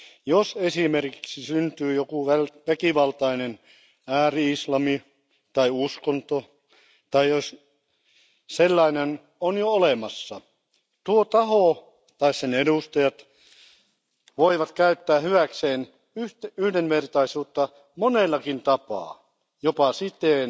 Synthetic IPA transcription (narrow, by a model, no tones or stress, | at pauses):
josesimerki̥ksisynt̪yːjokuʋælʋækiʋɑlt̪ɑinen | æːriislɑmi | t̪ɑiuskont̪o | t̪ɑios | selːɑinen | onjoolemɑsːɑ | t̪uot̪ɑho | t̪ɑissenedust̪ɑjɑt̪ | ʋoiʋɑt̪kæyt̪ːæːhyʋækseːn | yht̪yhdenʋert̪ɑisuːt̪ːɑ | monelːɑkint̪ɑpɑ̰ː | jopɑsit̪eːn